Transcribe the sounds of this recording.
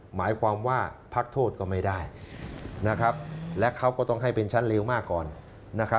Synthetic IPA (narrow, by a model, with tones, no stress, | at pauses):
maː˩˦jkʰwaː˧mwaː˥˩pʰa˦˥k̚t̪ʰoː˥˩t̪̚kɔː˥˩ma˥˩jdaː˥˩j | na˦˥kʰa˦˥p̚lɛ˦˥kʰa˦˥wkɔː˥˩t̪ɔ˥˩ŋɦa˥˩jpe˧nt͡ɕʰa˦˥nle˧˥wmaː˥˩kːɔː˨˩nː | a˦˥kʰa˦˥